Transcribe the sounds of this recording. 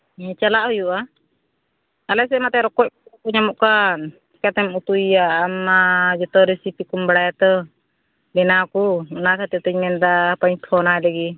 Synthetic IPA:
t͡ʃalaʔɦujuʔa | alɛs̬ɛmat̪ɛɾɔkɔc̚kɔkɔɲamɔʔkan | kat̪ɛmut̪ujaːmad͡ʒɔt̪ɔɾesipikumbaɽajat̪ɔ | bɛnakunakʰat̪ɛt̪əɲmɛnd̪apaɲp̪ʰɔnaɛləɡi

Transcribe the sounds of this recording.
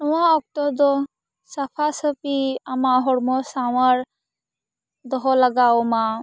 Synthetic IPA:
nɔwaɔk̚t̪ɔd̪ɔ | sapʰasəpiamaɦɔɽmɔsawaɾ | d̪ɔɦɔlaɡaoma

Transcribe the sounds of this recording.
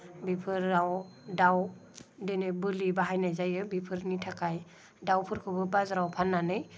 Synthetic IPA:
bipʰɯɾːawdaw | denɯbɯlibaɦajnajzajɯbipʰɯɾnitʰakʰaj | dawpʰɯɾkʰɯbɯbazɾawpʰanːanɯj

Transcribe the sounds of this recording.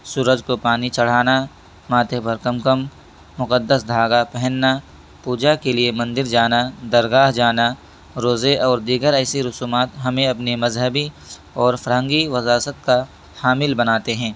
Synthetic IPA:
suːɾəd͡ʒkopaːnit͡ʃɐɽ̤aːna | maːt̪epɐɾkɐmkəmː | ʊqəd̪ːəsd̪ʱaːɡapɛɦənːa | puːd͡ʒakeliemɐ̃nd̪ɪɾd͡ʒaːnad̪ɐɾɡaːɦd͡ʒaːna | ɾoːzeʔɔːɾd̪iːɡəɾɛːsiɾʊsuːmaːt̪ɦɐmẽɐpnimɐzɦəbi | ɔːɾfɐɾɦə̃ŋɡiʋɐzaːsət̪̚ka | haːmɪlbɐnaːt̪eɦɛ̃ː

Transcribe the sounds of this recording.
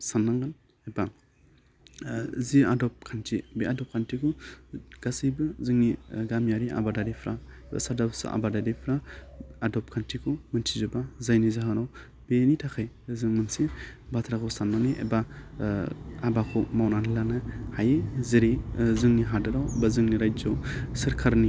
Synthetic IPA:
sanːaŋɡan | eba | ziadɔp̚kʰantʰibeadɔp̚kʰantʰikʰuɡ̥asijbɯzɯŋniɡamjaɾiʔa̰badaɾipʰɾaba̰sadapsa̰ʔa̰badadipʰɾaadɔp̚kʰantʰikʰumɯntʰizɔbazajnizaɦanaw | b̥enitʰakʰaj | zɯŋmɯnsibatʰɾakʰɔsamnaniʔḛba | abakʰɔmawnanilanɯhajeziɾizɯŋniɦadɯɾawbazɯŋniɾajd͡ʒawsɯɾkʰaɾni

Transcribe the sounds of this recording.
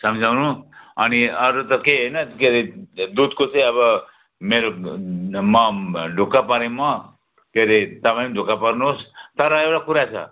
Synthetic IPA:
sʌmd͡zʱawnũʌniʌɾut̪ʌkeɦejnʌkeɾed̪ud̪kot͡sʌ̃j̃ʌβʌ | meɾo | mʌɖʱukapʌɾẽmʌ | keɾet̪ʌpamiɖʱukapʌɾnuɦost̪ʌɾʌewɽakuɾat͡sʰʌ̰

